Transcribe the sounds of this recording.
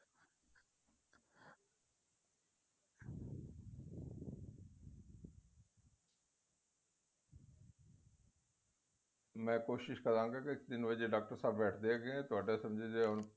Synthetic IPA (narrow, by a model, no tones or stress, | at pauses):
mɛ̃ːkoːʃɪʃkəɾãːŋɡakɪɪkd̪ɪnʋəd͡ʒeɖaːk̚ʈəɾsaːbbɛːʈʰd̪eɡeẽt̪ʊaːɖesɐ̃md͡ʒed͡ʒeʊn